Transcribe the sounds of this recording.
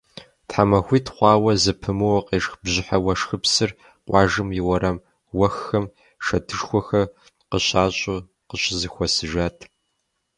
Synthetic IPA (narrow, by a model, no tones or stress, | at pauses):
tħamɐxʷiːtχʷɑːwɐzɨpʰɨmɨwɐqeːʂxbʑɪħawɐʂxɨpsɨr | qʷʼɑːʒɨmjɪwɐɾɐm | wɐxːɐm | ʂɐtʰɨʂxʷɔxɐ | qəɕaːɕʼʊ | qəɕɪzɨxʷɔsɨʒaːtʰ